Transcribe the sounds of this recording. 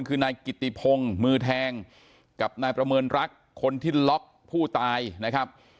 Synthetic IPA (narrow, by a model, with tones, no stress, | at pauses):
nkʰɯː˧naː˧jki˨˩t̪ːi˨˩pʰo˧ŋmɯː˧t̪ʰɛː˧ŋ | ka˨˩p̚naː˧jpɾa˧mɤː˧nɾa˦˥kʰːo˧nt̪ʰiː˥˩lɔ˦˥k̚ | pʰuː˥˩t̪aː˧jna˦˥kʰa˦˥p̚